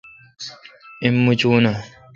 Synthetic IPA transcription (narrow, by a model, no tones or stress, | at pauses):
ɪmːʊt͡ʃuːna